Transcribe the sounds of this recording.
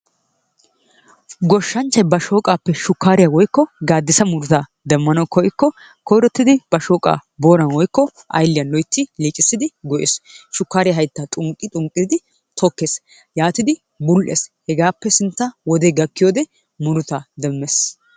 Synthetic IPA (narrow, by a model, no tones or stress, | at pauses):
ɡɔʃːɐnt͡ʃːɐjbɐʃo̞ːkʼaːpːɛʃʊkːaːɾɪjawɔjkːɔɡaːd̪ːɪsɐmʊɾʊt̪ɐ | d̪ɛmːɐnɐwkɔjɪkːɔ | kɔjɾɔt̪ːɪd̪ɪbɐʃoːkʼa̰ːboːɾɐnwɔjkːɔ | ʔɐ̰jlːɪjɐnlɔjt̪ːɪliːt͡ʃʼɪsːɪd̪ɪɡɔʔḛːsʃʊkːaːɾɪjɐɦɐjt̪ːɐt̪ʼʊŋkʼːɪt̪ʼʊŋkʼːɪd̪ɪ | t̪ʰɔkːeːs | jaːt̪ɪd̪ɪ | bʊlʔḛshɛɡaːpːɛsɪnt̪ːɐwɔd̪ɛɡɐkːɪjoːd̪ɛ | mʊɾʊt̪ɐd̪ɛmːɛs